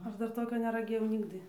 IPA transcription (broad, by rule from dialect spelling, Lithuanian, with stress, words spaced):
ˈɐʃ ˈdɐr ˈtoːkʲoː nʲɛrɐˈɡʲeːjɛʊ ˈnʲɪɡdɨ